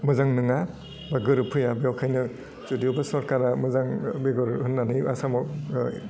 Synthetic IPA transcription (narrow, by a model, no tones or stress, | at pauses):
mɯzaŋnɯŋa | baɡɯɾɯpʰɯjabeɔwkʰajnɯ | zudibasɔɾkaɾamɯzaŋbeɡɯɾhɯnːanɯja̰samɔk